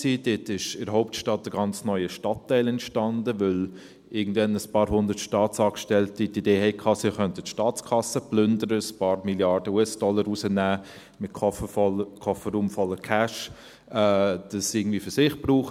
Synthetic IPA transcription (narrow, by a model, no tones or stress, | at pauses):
siːdɪtɪʃɪɾɦɔʊp̚tʃtɑt̚d̥əɡɑnt͡snœʏəʃtɑtːɛɪlɛntʃtɑndəʋʏl | ʔɪɐɡn̩dʋɛnəspɑːɾhʊndərtʃtɑːtsɑːkʃtɛltitideːɦɛɪkʰɑːsɪχœntətʃtɑːtt͡skʰɑsəplʏndəɾəəspɑːɾmiljɑɾd̥əuɛsd̥ɔləɾusənæː | mɪtkʰɔkʰɔfəɾuːmfɔlːəkʰæʃ | ɛːd̥ɑsɪːɡəŋ̩dviːəfʏsɪχb̥ruːχ